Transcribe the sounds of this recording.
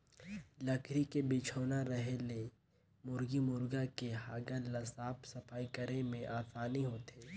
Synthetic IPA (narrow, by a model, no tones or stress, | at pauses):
lɐkʰɾikebɪt͡ʃʰoːnaɾɐɦele | mʊɾɡimʊɾɡakeɦaːɡəlɐsaːpsɐfaːikəɾemẽʔaːsaːniɦoːt̪eː